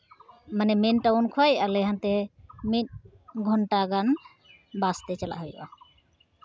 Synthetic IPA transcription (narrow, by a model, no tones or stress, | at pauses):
manɛmenʈawunkʰwajʔalɛɦant̪ɛmit̪̚ | ɡʱɔɳʈaɡan | bast̪ɛt͡ʃala̰ʔɦɔj̰ʔa